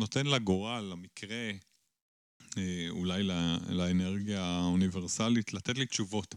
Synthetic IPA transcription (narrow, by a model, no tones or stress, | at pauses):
no̞t̪enlaɡoʁalamikʰʁe̞ | eulajlalaeneʁɡijauniveʁsalitlat̪etlit̪t͡ʃuvo̞t